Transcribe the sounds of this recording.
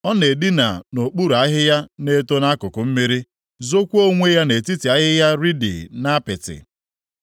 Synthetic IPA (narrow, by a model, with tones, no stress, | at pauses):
ɔ˦ne˨di˦na̰˨no˨k͡pu˦ɾa˦ɦɪ˦ja˦ne˦to˦na˦kʊ˨kʊ˨m̩˦mi˦ɾi˦ | zo˦kʷu˦o˦ŋʷe˦ja˦ne˨ti˦ti˨a˦ɦɪ˦ja˦ɾi˦dɪ̰˨na˦pɪ˨tɪ̰˨